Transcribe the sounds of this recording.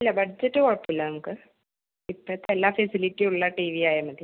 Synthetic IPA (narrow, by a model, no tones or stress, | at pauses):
ilːɐbɐɖd͡ʑːetːɨkoɻɐpːuilːɐnɐmukːɨ | ipːot̪ːeelːaːfesilitːiuɭːɐʈiːʋiaːjɐmːɐd̪ji